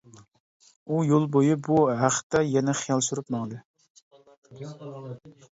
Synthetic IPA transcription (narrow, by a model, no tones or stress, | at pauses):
ujolˠbojibuɦæχt̪ɛjɛnɛχijɑlˠsuɾupmɑŋd̪ɨ